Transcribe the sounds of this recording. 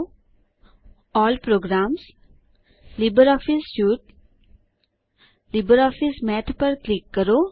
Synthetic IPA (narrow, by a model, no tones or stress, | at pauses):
ɔːlpɾoːɡɾaːms | libəɾɔːfisʃuːʈ | libəɾɔːfismɛʈpəɾklɪkːəɾoː